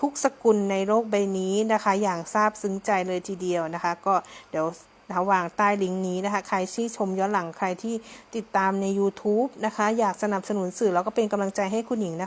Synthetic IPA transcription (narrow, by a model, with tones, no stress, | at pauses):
t̪ʰu˦˥k̚sa˧ku˧nːa˧jloː˥˩k̚ba˧jniː˦˥na˦˥kʰa˦˥jaː˨˩ŋsaː˥˩p̚sɯ˨˦ŋt͡ɕa˧jlɤː˧jt̪ʰiː˨˩di˧əwna˦˥kʰa˦˥kɔː˥˩di˩˦w | a˧waː˧˩ŋt̪aː˥˩jli˦˥ŋniː˦˥na˦˥kʰa˦˥kʰa˧jsiː˥˩t͡ɕʰo˧mjɔː˦˥nla˩˦ŋkʰa˧jt̪ʰiː˥˩t̪i˨˩t̪ːaː˧mna˧jːuː˧t̪ʰuː˦˥p̚na˦˥kʰa˦˥jaː˨˩k̚sa˧na˨˩p̚sa˧nu˨˩˦nsɯː˨˩lɛː˧˦˥kɔː˥˩pe˧nka˧mla˧ŋt͡ɕa˧jɦa˥˩jkʰu˧nji˨˩˦ŋna˦˥˦